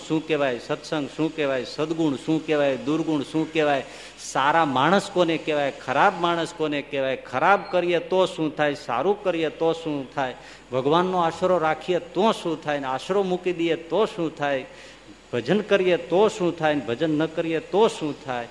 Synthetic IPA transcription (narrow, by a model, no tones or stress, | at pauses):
ʃũkɛʋajsət̪sə̃ŋɡʃũkeʋajsəd̪ɡuɳʃũkeʋajd̪uɾɡuɳʃũkeʋaj | saɾamaɽ̃əskonekeʋajkʰəɾabmaɽ̃əskonekeʋajkʰəɾabkəɾijet̪oʃũt̪ʰajsa̰ɾũkəɾijet̪oʃũt̪ʰaj | bʱəɡʋanːoaʃəɾoɾakʰijet̪õʃũt̪ʰajnaʃəɾomukid̪iet̪oʃũt̪ʰaj | bʱəd͡ʒənkəɾijet̪oʃũt̪ʰajnbʱəd͡ʒənːəkəɾijet̪oʃũt̪ʰaj